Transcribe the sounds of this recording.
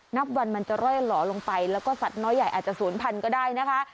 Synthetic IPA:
na˦˥k̚wa˧nma˧nt͡ɕa˨˩ɾɔ˥˩jlɔː˩˦lo˧ŋpa˧jlɛː˦˥wkɔː˥˩sa˨˩t̪̚nɔː˦˥jːa˨˩jʔaː˨˩t̪̚t͡ɕa˨˩suː˩˦npʰa˧nkɔː˥˩daː˥˩jna˦˥kʰa˦˥ʔ

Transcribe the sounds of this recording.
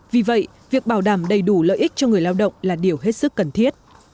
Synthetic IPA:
vi˨˩və̰˧˨j | vi˨˩ək̚ɓaː˧˩wɗaː˧˩mɗə˨˩jɗu˧˩lə̰ː˧˨jʔi˦˥k̟̚t͡ɕɔ˧ŋɨ˨˩əjlaː˧wɗə̰˧˨wŋ͡mlaː˨˩ɗi˨˩əwɦe˦˥t̚sɨ˦˥kːə˨˩nt̪ʰi˦˥ət̚

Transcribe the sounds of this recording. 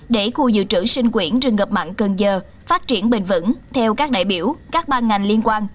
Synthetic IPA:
ɗe˧˩xu˧zɨ̰˧˨t͡ɕɨ̰˧˥sï˧ŋ̟kwi˧˩ənt͡ɕɨ˨˩ŋə˨˩p̚ma̰ː˧˨nkə˨˩nzəː˨˩ | faː˦˥t̚t͡ɕi˧˩ənɓï˨˩ŋ̟vɨ̰˧˥nt̪ʰɛ˧wkaː˦˥k̚ɗa̰ː˧˨jɓi˧˩əwkaː˦˥k̚ɓaː˧nŋa˨˩jŋli˧ənkwaː˧n

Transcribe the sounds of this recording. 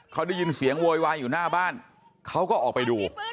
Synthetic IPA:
kʰa˦˥wda˥˩ji˧nsi˨˩˦əŋwoː˧jwaː˧njuː˨˩naː˥˩baː˥˩n | kʰa˦˥wkɔː˥˩ʔɔː˨˩k̚pa˧jduː˧

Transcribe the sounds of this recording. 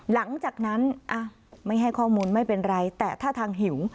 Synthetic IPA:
la˩˦ŋt͡ɕaː˨˩k̚na˦˥nʔa˧˩ | ma˥˩jɦa˥˩jkʰɔː˥˩muː˧nma˥˩jpe˧nɾa˧jt̪ɛː˨˩t̪ʰaː˥˩t̪ʰaː˧ŋɦi˩˦w

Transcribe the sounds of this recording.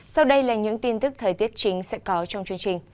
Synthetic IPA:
sa˧wɗə˧jlaː˨˩ɲɨ̰˧˥ŋt̪i˧nt̪ɨ˦˥k̚t̪ʰəː˨˩jt̪i˦˥ət̚t͡ɕï˨˦ŋ̟sɛ̰˧˥kɔ˨˦t͡ɕɔ˧wŋ͡mt͡ɕɨ˧əŋt͡ɕï˨˩ŋ̟

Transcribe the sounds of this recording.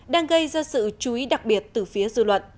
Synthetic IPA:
ɗaː˧ŋɣə˧jzaː˧sɨ̰˧˨t͡ɕu˨˦i˨˦ɗa˨˩k̚ɓi˨˩ət̚t̪ɨː˨˩fi˨˦əzɨ̰˧˨lwə̰˧˨n

